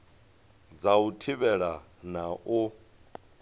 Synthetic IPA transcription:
d͡zautʰiβɛɺa | naʔu

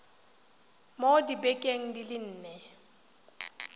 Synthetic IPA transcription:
modibɛkʼeŋ̩dilɪn̩ːnɛ

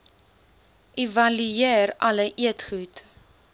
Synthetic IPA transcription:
ʔivɐlyeːrɐləʔiətχut

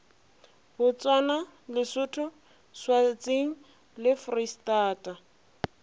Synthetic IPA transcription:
bʊt͡swana | lɪsʊtʰʊ | swat͡sʼeŋ̩ | lɪfristaːtʼa

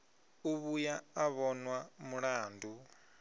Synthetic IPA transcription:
uβujaːβɔnwamuɺaːndʱu

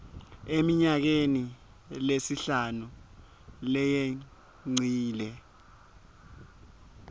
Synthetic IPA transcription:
emiɲak̬eni | lesiɬanu | lɛje | ŋ͡ǀʱiːlɛ

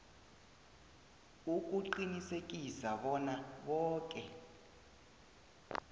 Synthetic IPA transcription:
uk̬ʼuǃinisek̬ʼisaɓɔnaɓɔːkʼɛ

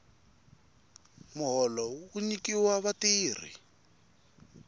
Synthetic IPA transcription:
muɦɔlɔuɲikiwaβatiːr̤ḭ

